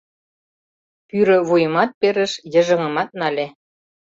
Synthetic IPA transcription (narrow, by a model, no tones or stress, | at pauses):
pyɾə̆βujə̆mɑt̪̚peɾə̆ʃjə̆ʒə̆ŋə̆mɑt̪̚nɑlʲe